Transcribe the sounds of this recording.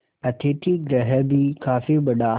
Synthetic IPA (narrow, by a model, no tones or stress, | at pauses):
ɐt̪ʰeːʈʰiɡɾɐɦəbikaːfiɓɐɗa